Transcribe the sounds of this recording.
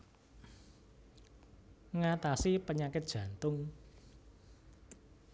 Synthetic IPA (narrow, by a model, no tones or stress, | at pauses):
ŋat̪asipəɲakɪt̪̚dʒ̥ä̤nt̪ʊŋ